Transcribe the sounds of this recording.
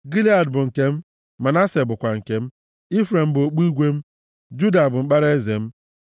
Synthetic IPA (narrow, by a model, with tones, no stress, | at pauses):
ɡi˦li˦a˨dbʊ˨ŋ̩˨ke˦m̩˦ | ma˨na˦se˨bʊ˨kʷa˨ŋ̩˨ke˦m̩˦ | i˦fɾe˨m̩˦bo˨k͡pu˦i˦ɡʷe˦m̩˦ | d͡ʒu˦da˨bʊ˨ŋ͡m̩˦k͡pa˦ɾe˦ze˨m̩˦